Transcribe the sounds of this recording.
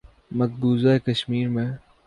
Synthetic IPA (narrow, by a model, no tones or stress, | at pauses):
mɐk̚buːzaekɐʃmiːɾmẽ